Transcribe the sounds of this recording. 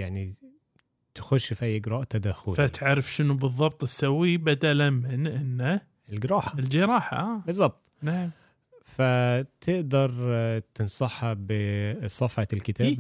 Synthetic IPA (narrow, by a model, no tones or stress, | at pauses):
jaʕni | t̪ɪ̥xʊʃːfiʔæjːʔɪɡɾˤɑːʔt̪ad̪axʊlfat̪ʕaɾɪfʃɪnʊbɨðˤːɑb̚t̪ˤɪsːawːibad̪alamɪnʔɪnːa | ɪlɡɪɾˤɑːħaɪld͡ʒɪɾˤɑːħa̰ʔaːbɨzˤːɑb̚t̪ˤnaʕam | fat̪ʰɪʔd̪ɑɾˤt̪ɪnsˤɑħhabɪsˤɑfʕɑlkɪt̪æːb